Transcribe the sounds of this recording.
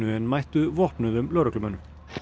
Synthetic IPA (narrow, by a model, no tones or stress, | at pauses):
ʏɛnmajht̪ʏvɔhpnʏðʏmlœːɾœklʏmœnːʏ